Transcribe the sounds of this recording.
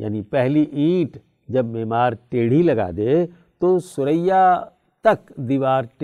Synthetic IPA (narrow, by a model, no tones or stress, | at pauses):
ja̰ːnipɛɦliʔĩːʈ | d͡ʒɐbːɛːmaːɾʈeːɽ̤ilɐɡa̰ːd̪eː | t̪osʊɾəja | t̪ɐkd̪iːʋaːɾʈ